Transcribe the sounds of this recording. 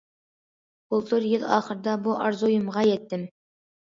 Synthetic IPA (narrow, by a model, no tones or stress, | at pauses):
bʊlˠt̪ʰɵɾjɪlˠɑχə̆ɾd̪ɑbuʔɑɾzujə̆mʁɑjet̪ːɪm